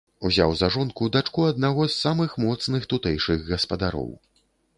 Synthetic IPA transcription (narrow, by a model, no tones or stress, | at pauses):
uzʲa̰wzaʐɔnkud̪at͡ʂkuɐd̪̚naɣɔsːamɨxmɔt̪snɨxt̪ut̪ɛjʂɨɣɣɐspɐd̪aɾɔ̰w